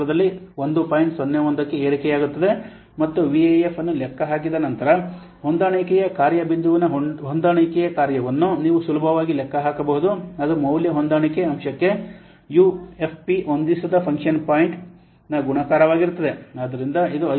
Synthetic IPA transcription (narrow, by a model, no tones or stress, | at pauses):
ɾɐd̪ɐlːiond̪upaːjiɳʈsonːeond̪ɐkːeeːɾikɛjaːɡut̪ːɐd̪e̞ | mɐt̪ːuʋiɐjefʰɐnːulɛkʰːɐɦaːk̬id̪ɐnɐnt̪ɐɾɐ | ɦond̪aːɳɐkɛjɐkaːɾjɐbind̪uʋinɐɦɦond̪aːɳɐkɛjɐkaːɾjɐʋɐnːuniːʋusulubʱɐʋaːɡilɛkːɐɦaːkɐbɐɦud̪uɐd̪umɐwljɐɦond̪aːɳikeɐmʃɐkːe̞ | juːe̞pʰpiond̪isɐd̪ɐpʰɐŋkʂɐnpaːjiɳʈ | nɐɡuɳɐkaːɾɐʋaːɡiɾut̪ːɐd̪e̞aːd̪ɐɾind̪ɐid̪uɐ